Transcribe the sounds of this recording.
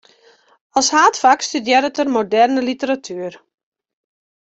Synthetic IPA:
ɔlˠshaːtfakstydjɛɾətərmodɛrnəlitəɾatʰyər

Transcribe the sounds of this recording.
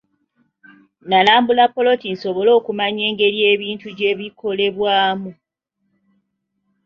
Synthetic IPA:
nalaːmbulapːo̞lo̞tin̩so̞βo̞lo̞ːkumaɲe̞ːŋɡe̞ɾie̞ːβiːntuɟe̞ːβikʰo̞le̞βwaːmu

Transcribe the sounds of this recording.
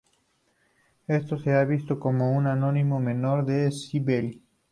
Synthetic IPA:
est̪oseaβist̪okomounanonimomenoɾðesiβel

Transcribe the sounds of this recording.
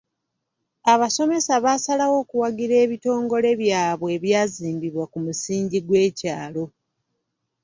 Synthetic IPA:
aβaso̞me̞saβasalawo̞ːkuwaɡiɾe̞ːβito̞ːŋɡo̞le̞βjaːβwe̞ːβjaːziːmbiβwakumusiːɲɟiɡwe̞ːcaːlo̞

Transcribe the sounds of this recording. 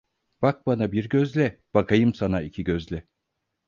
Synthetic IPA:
b̥ak̚banabiɾɟøzlʲɛb̥akajɯmsanaicʰiɟøzlʲɛ

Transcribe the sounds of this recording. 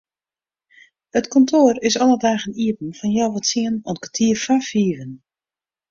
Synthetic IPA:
ətkɔntʰoərɪsɔnədaːɣəniəpn̩fɔnjɔwʋɔtsiənɔntkatʰiːərfafiːvən

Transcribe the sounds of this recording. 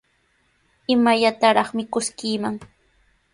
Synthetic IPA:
ɪmaʎat̪aɾɑχmɪkʊskɪːmaŋ

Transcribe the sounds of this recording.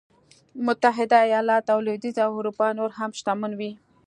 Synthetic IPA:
mʊt̪aɦɪd̪aajɑlɑt̪awlod̪izawhʊɾupɑnoɾɦamʃt̪amunwi

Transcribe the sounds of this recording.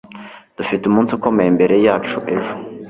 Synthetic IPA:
d̥ufitumuːnsuko̞me̞jembe̞ɾe̞jaːt͡ʃuʔe̞ʒo

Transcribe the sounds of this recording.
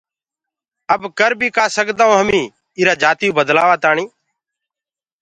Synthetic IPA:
əbkəɾbʱiːkaːsəkd̪aːõːɦəmĩː | iːɾaːd͡ʒaːt̪ːjũːbəd̪laːʋaːt̪aːɳiː

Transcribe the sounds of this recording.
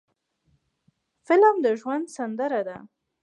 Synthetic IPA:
fɪlmd̪əʒwand̪sand̪əɾad̪a

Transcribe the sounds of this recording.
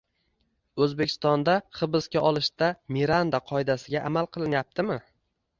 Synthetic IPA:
ɵzbekʲʰɪ̥st̪ɒnd̪aχɨbɨskʲaʔɒlˠɪʃt̪amiɾand̪aqʰɒɪd̪asɪɡʲaʔamalˠqʰɨlˠɪnjap̚t̪ʰɪmɪ

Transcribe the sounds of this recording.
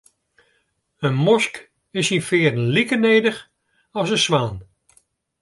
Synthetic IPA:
ənmɔsk | ɪsinfɪːədən̩likənejdəχ | ɑsəsʋaːn

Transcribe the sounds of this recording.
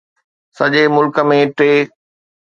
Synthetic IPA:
sɐʄemʊlkə̆mẽʈɾeː

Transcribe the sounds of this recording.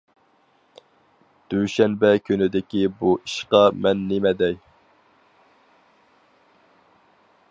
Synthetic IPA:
d̪̥yʃɛnbɛkʲʰynɪd̪ɪkʲibuʔiʃqɑmɛnːemɛd̪ɛj

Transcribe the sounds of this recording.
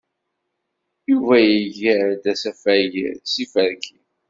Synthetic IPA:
juvæjəʝəɾd̪æsæfæjḭɾsifəɾki

